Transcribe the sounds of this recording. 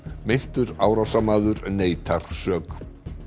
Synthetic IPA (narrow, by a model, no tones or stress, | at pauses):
mejn̥t̪ʏɾaːwɾasamaːðʏɾneːjt̪ʰaɾ̥sœːk